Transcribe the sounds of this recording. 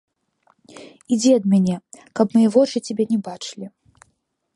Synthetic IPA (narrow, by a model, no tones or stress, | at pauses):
id͡zʲɛɐd̪mʲanʲɛkɐpmajɛvɔt͡ʂɨt͡sʲabʲɛnʲɛbat͡ʂɨlʲi